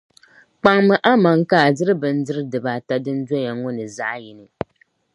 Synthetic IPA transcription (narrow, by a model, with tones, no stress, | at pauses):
k͡pa˨ŋmɨ˨ʔa˦ma˨ŋ˦kaː˦˨dɨ˦ɾɨ˦bɨ˨n̩˦dɨ˦ɾɨ˦dɨ˨ba˨ta˦dɨ˦n̩˦dɔ˦ja˨ŋɔ˦nɨ˨za˦ʔji˨nɨ˨